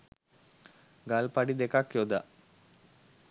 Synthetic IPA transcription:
ɡalpaɖid̪ekakjoːd̪a̰

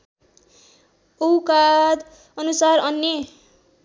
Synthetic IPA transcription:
owkad̪ | ʌnusarʌnje

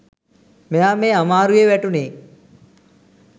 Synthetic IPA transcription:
mejaːmeːamaːɾujeʋæʈuneː

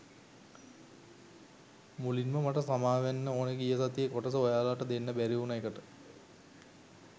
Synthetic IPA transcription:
mulinməmaʈəsamaːʋænːəoːneɡijəs̬at̪ijekoʈəsəojaːlaʈəd̪enːəbæɾiunajekəʈə

